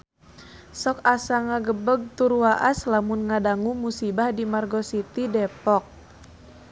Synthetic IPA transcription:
sɔkasaŋaɡəbəɡ̚t̪uɾuwaʔaslamunŋadaŋumusibahdimarɡɔsit̪idɛpɔk̚

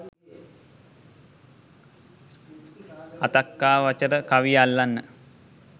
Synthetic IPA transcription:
at̪akːaːʋat͡ʃəɾəkaʋijalːanːə

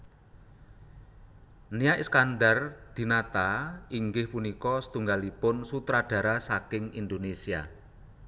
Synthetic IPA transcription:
niaʔiskandard̪̥i̤nat̪aiŋɡɪhpunikɔsə̥t̪uŋɡalipʊnsut̪ɾad̥a̤ɾasakɪŋind̪onesia̰

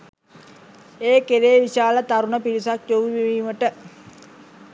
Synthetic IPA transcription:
eːkeɾeːʋiʃaːlət̪aɾunəpiɾisakjoʋiʋiʋiːməʈə

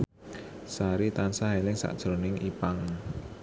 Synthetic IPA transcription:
saɾit̪ansaɦelɪŋsa̰ʔd̥ʒ̥ɾo̤nɪŋipaŋ

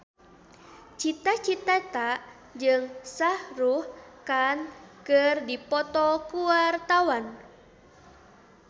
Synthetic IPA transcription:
t͡ʃit̪at͡ʃit̪at̪aʔ | d͡ʒɨŋsahruhkankərdipɔt̪ɔkuart̪awan

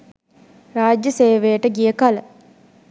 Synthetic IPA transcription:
raːd͡ʒjəseːʋejəʈəɡijəkalə

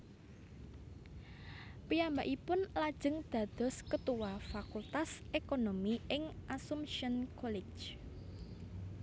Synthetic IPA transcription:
piambaʔipʊnlad̥ʒ̥əŋd̪̥ä̤d̪̥ɔ̤skət̪uwafakult̪asʔekonomiɪŋʔasumʃiənkʰɔlɪ̥d͡ʒ

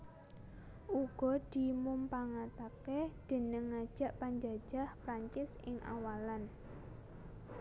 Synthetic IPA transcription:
ʔuɡ̥ɔ̤d̪̥i̤mumpaŋat̪aked̪̥ə̤nəŋːḁʒ̥a̤ʔpaɲd͡ʒa̤̥ʒ̥a̤hpɾaɲt͡ʃɪsɪ̰ŋʔa̰walan

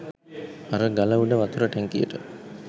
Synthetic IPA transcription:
aɾəɡalɐʋuɖəʋɐt̪uɾəʈɛŋkijə̰ʈə

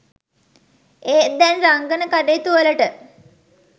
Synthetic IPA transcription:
eːd̪ɛnraŋɡənəkaɖeːt̪uələʈə

